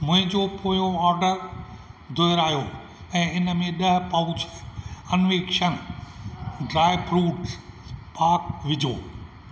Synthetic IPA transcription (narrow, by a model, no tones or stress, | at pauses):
mʊ̃ɦɪ̃ɲd͡ʑopoːjoɔːɾɖəɾ | d̪ʱoːɪɾaːjo | ɛ̃ːɪnə̆mẽɗɐɦpɐʊt͡ɕʰɐnʋeːkʃən | ɖɾaːɪpɾuːʈpaːkʋɪd͡ʑʱo̰ː